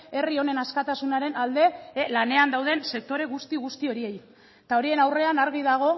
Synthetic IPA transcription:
e̞rio̞ne̞naskat̪asunaɾe̞nald̪e̞lane̞and̪awð̞e̞nse̞k̚t̪o̞ɾe̞ɣust̪iɣ̞ust̪io̞ɾie̞j | t̪ao̞ɾie̞nawre̞anaɾɣiðaɣ̞o̞

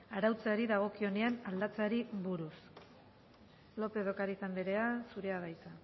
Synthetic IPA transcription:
aɾawt͡saɾiðaɣ̞o̞kio̞ne̞anald̪at͡saɾiβuɾus | lo̞pe̞ðo̞kaɾisambeɾe̞asuɾe̞aβajt͡s̪a

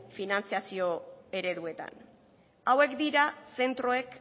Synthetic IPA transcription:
finant͡siasio̞e̞ɾe̞ðue̞t̪a̰n | awe̞kd̪iɾase̞nt̪ɾo̞e̞k

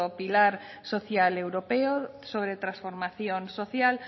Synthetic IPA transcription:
opilaɾ | soθjalewɾopeosoβɾet̪ɾãsfoɾmaθjonsoθjal

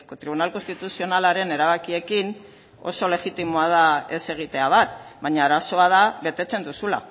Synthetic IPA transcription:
kot̪ɾiβunalkonst̪it̪usio̞nalaɾe̞ne̞ɾaβakie̞kin | o̞̰so̞le̞ɣit̪imoaðae̞se̞ɣ̞it̪e̞aβat̪̚βaɲaːɾaso̞að̞aβe̞t̪e̞t͡se̞nd̪usula̰

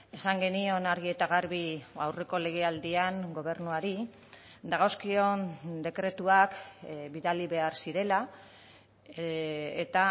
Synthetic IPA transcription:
e̞saŋɡe̞nio̞naɾɣ̞ie̞t̪aɣ̞aɾβiawre̞ko̞le̞ɣ̞e̞ald̪iaŋɡo̞β̞e̞ɾrnuaɾi | d̪aɣawskio̞nd̪e̞kɾe̞t̪uakbiðaliβe̞aɾsiɾe̞la | et̪a

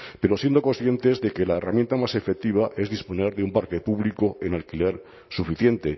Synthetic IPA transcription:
pe̞ɾo̞sje̞nd̪o̞konsθje̞nt̪e̞zðe̞ke̞laeramjent̪amase̞fe̞k̚t̪iβ̞aʔe̞zðispo̞ne̞ɾðeumpaɾke̞puβliko̞e̞nalkile̞ɾ | sufiθje̞nt̪e̞

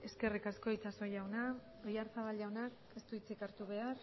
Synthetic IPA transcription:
e̞ske̞rikasko̞jt͡saso̞jawna | ojaɾt͡saβalʝawnak | e̞st̪uit͡sikaɾt̪uβe̞ar

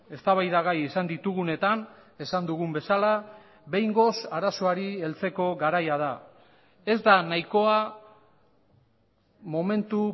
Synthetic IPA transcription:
e̞st̪aβajðaɣajesand̪it̪uɣune̞t̪ane̞sand̪uɣ̞umbe̞sala | βe̞jŋɡo̞saɾasoaɾie̞lt͡se̞ko̞ɣaɾajað̞a | e̞zd̪anajko̞a | mo̞me̞nt̪u

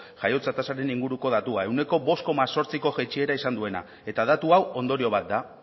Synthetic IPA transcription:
ʝajo̞t͡sat̪asaɾe̞niŋɡuɾuko̞ð̞at̪uaewne̞ko̞bo̞sko̞maso̞ɾt͡siko̞ʝet͡ʃie̞ɾaisand̪ue̞na̰ | e̞t̪aðat̪uawo̞nd̪o̞ɾio̞β̞at̪̚d̪a

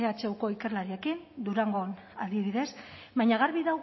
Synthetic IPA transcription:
eat͡ʃewko̞ike̞ɾlaɾie̞kind̪uɾaŋɡo̞n | a̰ld̪iβiðe̞sbajɲaɣaɾβiðaw

